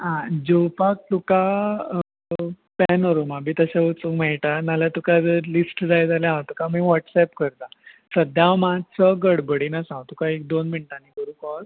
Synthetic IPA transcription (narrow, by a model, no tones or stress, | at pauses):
ɦãd͡ʑəwpak̚t̪uka | pɛnəɾumabʱiːt̪əɕaut͡sukmɛɭʈanaljat̪ukad͡zəɾlisʈd͡zajd͡zaljãat̪ukamiːʋɔʈsɛpkəɾt̪a | səd̪ʱjãwmat͡səɡəɽbəɽinasãwt̪ukaek̚d̪onmiɳʈanikəɾũkɔl